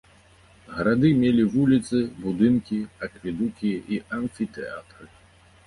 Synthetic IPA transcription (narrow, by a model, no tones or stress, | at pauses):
ɣɐɾad̪ɨmʲelʲivulʲit̪sɨbud̪ɨnkʲiɐkvʲid̪ukʲiʔiʔɐnfʲit̪ɛa̰t̪ɾɨ